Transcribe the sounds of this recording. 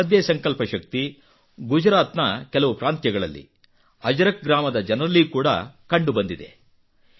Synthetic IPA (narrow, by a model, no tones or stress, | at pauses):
ɐd̪jesɐŋkɐlpɐʃɐk̚t̪i | ɡud͡ʒɾaːt̪nɐkɛlɐʋupɾaːnt̪jɐɡɐɭɐ̰lːḭ | ɐd͡ʒɐɾɐk̚ɡɾaːmɐd̪ɐd͡ʒɐnɐɾɐlːikuːɽɐ̰kɐɳɖubɐnd̪id̪e̞